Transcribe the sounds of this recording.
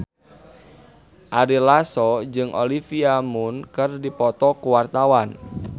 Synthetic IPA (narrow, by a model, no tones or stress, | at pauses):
ʔaɾilasɔd͡ʒɨŋʔo̰lifiamʊnkɨrdipɔt̪ɔkuwart̪awan